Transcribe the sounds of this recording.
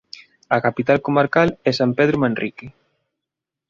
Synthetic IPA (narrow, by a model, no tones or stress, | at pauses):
akapit̪alkomaɾkalɛsampeð̞ɾomẽnrʔike